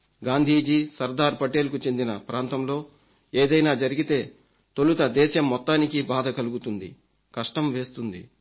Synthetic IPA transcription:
ɡaːnd̪ʱiːd͡ʒisɐɾd̪aːɾpɐʈe̞ːlkut͡ʃe̞nd̪inɐpɾʔaːnt̪ɐmlo̞ː | eːd̪ɐjnaːd͡ʒɐɾiɡit̪e̞ː | t̪olut̪ɐd̪ɛːʃɐmːɔt̪ːaːnikibaːd̪ɐkɐluɡut̪und̪ḭ | kɐʂʈɐmʋe̞ːst̪und̪ḭ

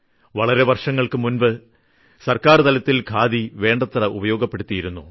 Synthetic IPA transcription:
ʋɐɭɐɾe̞ʋɐrʂɐŋːɐɭkɨmunbɨ | sɐrkaːrt̪ɐlɐt̪ːilkʰaːðiʋe̞ːɳɖɐt̪ːrɐʔṵbɐjo̞ːɡɐpːe̞ɽut̪ːijiɾunːṵ

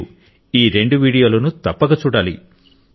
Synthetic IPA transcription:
u | iːɾe̞ɳɖuʋiːɽijo̞ːlɐnut̪ɐpːɐɡɐt͡ʃuːɽaːlḭ

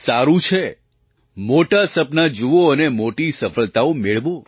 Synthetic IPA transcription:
saɾũt͡ʃʰe | moʈasəpnad͡ʒuoənemoʈisəfəɭt̪aomeɭʋo

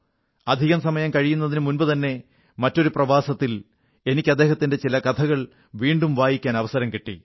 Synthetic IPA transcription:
ɐd̪ʱiɣɐmsɐmɐjɐmkɐɻijunːɐðinɨmunbɨt̪ɐnːe̞ | mɐtːo̞ɾuprɐʋaːsɐt̪ːil | e̞nikʲːɐd̪ːeːɦɐt̪ːinde̞t͡ɕilɐkɐt̪ʰɐɣɐɭ | ʋiːɳɖumʋaːjikʲːaːnɐʋɐsɐɾɐmkeʈːḭ

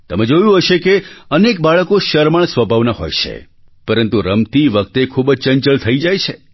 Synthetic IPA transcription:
t̪əmed͡ʒojũɦəʃekeənek̚baɭəkoʃəɾməɳsʋəbʱaʋnaɦo̰jt͡ʃʰḛ | pəɾənt̪uɾəmt̪iʋək̚t̪ekʰubəd͡ʒt͡ʃəɲt͡ʃəɭt̪ʰəid͡ʒajt͡ʃʰe

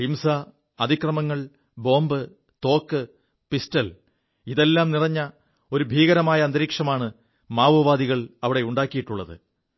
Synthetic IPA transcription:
himsɐ | ɐd̪ʱikrɐmɐŋːɐɭ | bo̞ːmbɨ | t̪o̞ːkːɨ | pistɐl | iðe̞lːaːmnirɐɲːɐ | o̞ɾubʱiːɣɐɾɐmaːjɐɐnd̪ɐɾiːkʂɐmaːɳɨ | maːʋɐʋaːd̪iɣɐɭɐʋiɽe̞uɳɖaːkːijiʈːuɭːɐðɨ̰

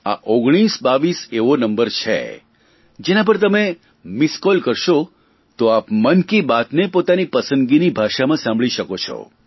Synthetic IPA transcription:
a̰ʔoɡɽ̃isbaʋiseʋonəmbəɾt͡ʃʰḛ | d͡ʒenãp̬əɾt̪əme | miskɔlkəɾʃo | t̪oapmənkibat̪nepot̪anipəsə̃nd̪ɡinibʱaʃamãsãmbʱɭiʃəkot͡ʃʰɔ̰

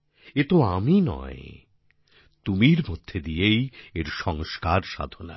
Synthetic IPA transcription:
et̪oaminɔ̰e | t̪umiɾmod̪ʱːed̪iejeɾʃɔŋskaɾʃa̰d̪ʱona̰

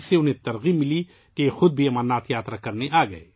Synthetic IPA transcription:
seʊnɦẽt̪ɐɾɣimɪli | kexʊd̪̚bʱiɐmaːnaːt̪jaːt̪ɾakɐɾneʔaːɡɐḛː

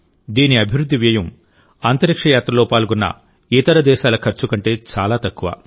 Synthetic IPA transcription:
d̪iːniɐbʱiʋɾud̪ʱːiʋjɐjɐm | aːnt̪ɐɾikʂɐjaːt̪ɾɐloːpaːlɡunːɐ̰ | it̪ɐɾɐd̪ɛːʃaːlɐkʰɐɾt͡ʃukɐɳʈe̞ːt͡ʃaːlaːt̪ɐkːuʋa̰ː

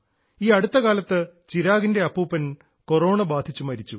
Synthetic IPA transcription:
iːɐɽut̪ːɐkaːlɐt̪ːɨt͡ɕiɾaːɡinde̞ɐpːuːpːɐn | ko̞ro̞ːɳɐbaːd̪ʱit͡ɕːumɐɾit͡ɕːu

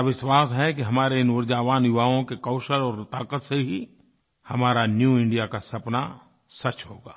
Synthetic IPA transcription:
ʋɪʃwaːsɦɛk̬iɦɐmaːɾeɪnʋʊɾd͡ʒaːʋaːnjʊʋaːõkekɔʊʃəɾɔːɾt̪aːkət̪seɦi | hɐmaːɾanjuɪ̃ɳɖijakasɐpna | sɐt͡ʃɦoːɡaː

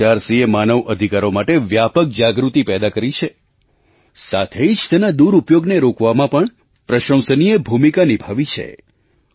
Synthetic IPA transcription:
aɾsiemanəʋʔəd̪ʱikaɾomaʈeʋjapək̚d͡ʒaɡɾut̪ipɛd̪akəɾit͡ʃʰe | sat̪ʰed͡ʒt̪ɛnad̪uɾupjoɡneɾokʰʋamãpəɳ | pɾəʃə̃msənijebʱumikanibʱaʋit͡ʃʰḛ

